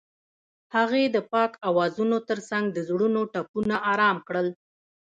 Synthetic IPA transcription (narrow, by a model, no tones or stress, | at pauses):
haɣed̪əpɑkawɑzunot̪əɾsaŋɡ̚d̪əzɽunoʈapunaʔɑɾɑmkɽəl